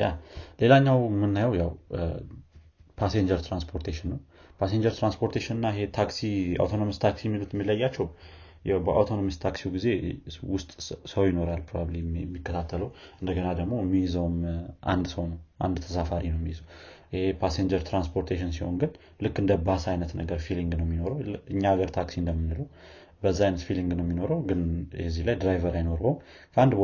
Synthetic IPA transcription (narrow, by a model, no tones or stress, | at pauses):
jale̞laɲːawmɨnːajəwjaw | pʰaseɲd͡ʒəɾt̪ʰɾanspʰoɾt̪ʰeʃɪnːəwpʰaseɲd͡ʒəɾt̪ɾanspʰo̞ɾt̪ʰeʃɪnɨnːaɪɦe̞t̪ʰaksia̰wt̪ʰo̞nomɨst̪ʰaksijɛmːilut̪ʰɛmːilːəjːat͡ʃːɛw | jɛbəʔa̰wt̪ʰo̞nomist̪ʰaksiwɡize̞wʊst̪ʼsəwjɪno̞ɾalpʰɾo̞baβlimːikːət̪ʰat̪ʰːələwɨnd̪əɡənad̪əɡmo̞mːijizəwmʔa̰nd̪səwnəwʔa̰nd̪t̪ʰəsafaɾinəwmːijzəw | ɪhepʰaseɲd͡ʒəɾt̪ʰɾanspʰo̞ɾt̪ʰeʃ̬ɪns̬iho̞̰nɡɨn | lɨkːɨnd̪əbasajnət̪nəɡəɾfiliŋɡnəwmːino̞ɾəwɨɲːaɡəɾt̪ʰaksind̪əmːɨnːɨləw | bəzːaajnət̪filiŋɡnəwmːino̞ɾəwɡɨnjɛzːilajd̪ɾajvəɾajno̞ɾm | kʰəand̪b